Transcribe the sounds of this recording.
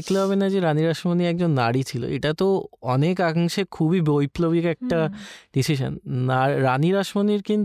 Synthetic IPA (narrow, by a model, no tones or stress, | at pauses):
ekleɦɔβenad͡ʑeɾaniɾaʃmoniɛk̚d͡ʑonːaɽit͡ɕʰilo̰ʔḛʈat̪oɔnekaɦaŋʃekʰubibojplobikɛk̚ʈaɖisiʃa̰nnaɾaniɾaʃmoniɾkin